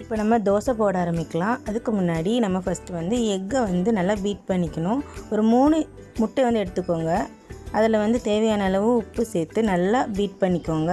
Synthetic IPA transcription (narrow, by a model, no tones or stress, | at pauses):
ɪpːoːnɐmːɐd̪oːsɐpoːɽaːɾɐmɪkːɐlãːɐðɯkːɯmʊnːaːɽinɐmːɐfɐsʈɯʋɐnd̪ɯɛŋɡɐʋɐnd̪ɯnɐlːabiːʈ̚pɐɳːɪkʲːɐɳʊ̃ɔɾɯmuːɳɯ | mʊʈːɛʋɐnd̪ɯɛɽɯt̪ːɯkːoːŋɡɐ | ɐðɐlɐʋɐnd̪ɯt̪eːʋɐjaːnɐɪlɐʋɯ̃ʊpːɯseːt̪ːɯnɐlːɐbiːʈ̚pɐɳːɪkːoːŋɡɐ